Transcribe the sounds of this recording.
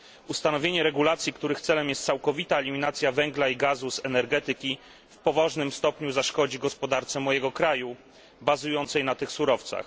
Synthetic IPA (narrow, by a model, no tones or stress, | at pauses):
ust̪anɔvʲjeɲɛɾɛɡulat̪sʲjikt̪uɾɘxt̪sɛlɛmjɛst̪sawkɔvʲit̪aɛlʲimʲinat̪sʲjavɛŋɡlaiɡazusɛnɛɾɡɛt̪ɘkʲi | fpɔvɔʐnɘmst̪ɔpɲuzaʂkɔd͡ʑiɡɔspɔd̪aɾt̪sɛmɔjɛɡɔkɾaju | bazujɔnt̪sɛjnat̪ɘxsuɾɔft̪sa̰x